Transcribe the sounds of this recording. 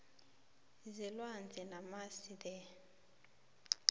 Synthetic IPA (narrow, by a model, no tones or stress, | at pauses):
zilwand͡zʱɛnamasidɛ